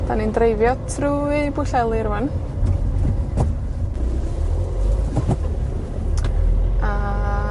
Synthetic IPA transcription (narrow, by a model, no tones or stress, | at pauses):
d̥anindrejvjɔtʰruːibʊɬɛlˠɨɾvən | a